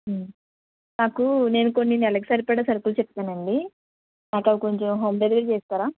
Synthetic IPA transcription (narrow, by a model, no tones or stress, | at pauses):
naːkune̞ːnuko̞nːinɛlɐkisɐɾipɛːɽasɐɾɐpulut͡ʃɛp̚t̪aːnɐɳɖi | naːkɐʋiko̞ɲt͡ʃemɦo̞ːmbed̪ɡiɾt͡ʃeːst̪aːɾaː